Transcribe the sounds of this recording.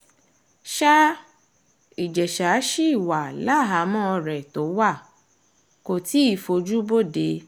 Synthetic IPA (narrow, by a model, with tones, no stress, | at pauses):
ʃa˦ | i˨d͡ʒɛ˨ʃa˨˦ʃi˦i˦˨wa˨la˦˨ɦa˨˦mɔ̃˦ɔ˧ɾɛ˨to˨˦wa˦˨ | ko˨ti˨˦i˦˨fo˧d͡ʒu˦bo˦˨de˨˦